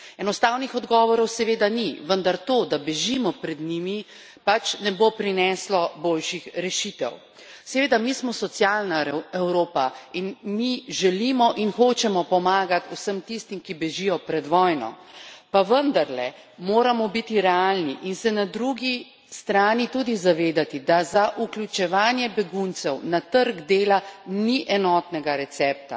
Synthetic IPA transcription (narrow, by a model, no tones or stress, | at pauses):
ɛnɔst̪awnixɔd̪ɡɔːʋɔɾɔwsɛʋeːd̪aniʋənd̪aɾt̪oːd̪abɛʒimɔpɾɛd̪nimi | pat͡ʃnɛbopɾinɛslɔbolʃixɾɛʃit̪ɛ̰w | sɛʋeːd̪amismɔsɔt̪sjalnaɛwɾoːpainmiʒɛlimɔʔinxoːt͡ʃɛmɔpɔmaːɡat̪usəmt̪ist̪imkibɛʒijɔpɾɛd̪ʋɔːjnɔ̰ | paʋənd̪aɾlɛ̰ | moːɾamɔbit̪iɾɛaːlniʔinsɛnad̪ɾuɡi | st̪ɾaːnit̪ud̪izaʋeːd̪at̪id̪azaʔuklʲjut͡ʃɛʋaːnjɛbɛɡunt̪sɛwnat̪əɾɡd̪eːlaniʔɛnɔt̪nɛɡaɾɛt̪sɛːp̚t̪a̰